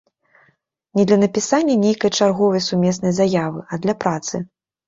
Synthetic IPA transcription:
nʲɛd̪lʲɐnɐpʲisanʲːɐnʲejkɐjt͡ʂarɣɔvɐjsumʲɛsnɐjzajavɨʔɐd̪lʲɐpɾat̪sɨ

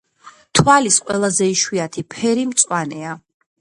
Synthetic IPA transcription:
t̪ʰwalisqʼwɛlˠazɛiʃwiat̪ʰipʰɛɾimt̪sʼwanɛa

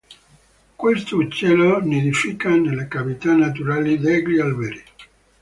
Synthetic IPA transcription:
kwest̪ot͡ʃːɛloned̪ifikanelekavit̪anːat̪uɾaːlid̪ɛɡlialveɾi

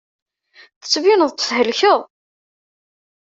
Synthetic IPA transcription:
θə̥t͡sːvinəðˤt̪ə̥θhəlçəʁ

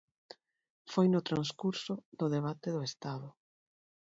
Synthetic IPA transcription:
fojnʊt̪ɾanskuɾsʊðʊðeβ̞at̪eðʊest̪aðʊ

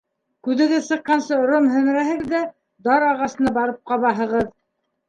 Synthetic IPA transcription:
kʉðɘ̆ðɘsɤ̆qqːɑnsɤŏɾomhɵ̆mɘ̆ɾæɦɘ̆ðæ | d̪ɑɾɑʁɑsɤ̆nɑbɑɾɤp̚qɑβɑɦɤ̆ʁɤð

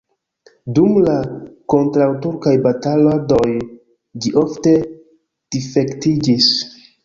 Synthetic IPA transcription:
dumlako̞ntɾawtuɾkajbatalado̞j | d͡ʒiʔo̞fte̞ | d̥ife̞ktid͡ʒis

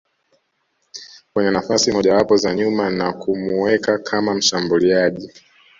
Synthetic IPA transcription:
kwɛɲɛnafasimɔʄawapɔzaɲumanakumuwɛkakʰamam̩ʃambuliaʄi

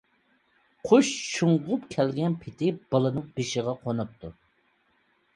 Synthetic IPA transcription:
qʰoʃʃuɴʁʊpkʲʰɛlɡʲɛnpʰɪt̪ʰɪb̥ɑlˠɨnɨŋbeʃɪʁɑqʰonup̚t̪ʰu

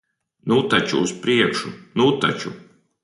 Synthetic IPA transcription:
nut̪at͡ʃṵːspɾiɛkʃunut̪a̰t͡ʃu

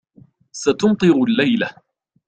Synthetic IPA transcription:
sat̪ʊmt̪ˤɨɾʊlːajla

